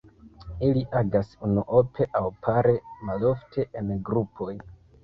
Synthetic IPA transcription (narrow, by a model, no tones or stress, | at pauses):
iliʔaɡasunuʔopʰe̞ʔawpʰaɾemalo̞ftʰe̞ʔenɡɾupʰo̞j